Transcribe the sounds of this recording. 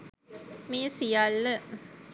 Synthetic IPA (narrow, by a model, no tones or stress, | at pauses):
meːəsijalːə